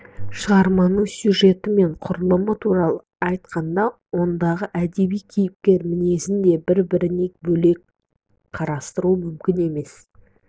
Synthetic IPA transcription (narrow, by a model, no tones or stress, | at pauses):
ʃəʁɑɾmɑnəɴsʲjuʒe̞t̪ɪme̞ɴqʰʊɾəlˠəmət̪ʰuɾɑlˠə | ɑjt̪̚qʰɑnd̪ɑwo̞nd̪ɑʁəʔæd̪e̞bijkʲʰejɪp̚kʲe̞ɾmɪne̞sɪnd̪e̞bɪɾbɪɾɪne̞kbɵle̞k̚ | qʰɑɾɑst̪əɾuəmʏmkʲɪne̞me̞s